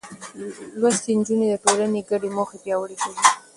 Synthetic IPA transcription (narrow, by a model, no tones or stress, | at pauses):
lwast̪end͡ʒuned̪əʈolaneɡaɖemoxepjɑwəɽeʃawi